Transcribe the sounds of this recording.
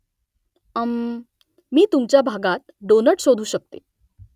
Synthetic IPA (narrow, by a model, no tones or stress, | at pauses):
əm | miːt̪umt͡ɕjabʱaɡat̪̚ɖonəʈsod̪ʱuːɕək̚t̪e